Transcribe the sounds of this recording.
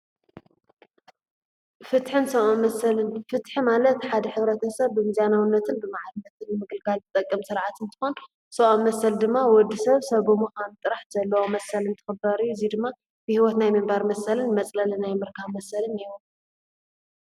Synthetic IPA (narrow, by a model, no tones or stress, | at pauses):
fɨt̪ħɨnsɐomɐsɐlɨnfɨt̪ħimalɐt̪ħad̪ɐħɨβɾɐt̪ʰɐsɐβːɨmɨzanawnːɐt̪ʰɨnbɨmaʕalɨnːɐt̪ɨnːɨmɨɡɨlɡʰalzɨt̪ʼɐkʼːɐmsɨɾʕat̪ɨnt̪ʰɨ̥xo̞n | sɐʔamːɐsɐld̪ɨmːawɔd̪ːisɐβsɐɡomukant̪ʼɨɾaħz̥ɐlːɐwomɐsɐlɨnt̪ʰɨ̥xɨbɐɾɨzid̪ɨmːa | bɨhiwɔt̪najmɨmbaɾmɐsɐlɨnmɐt͡sʼlɐlɨnajmɨɾkʰaβmɐsɐlɨniwu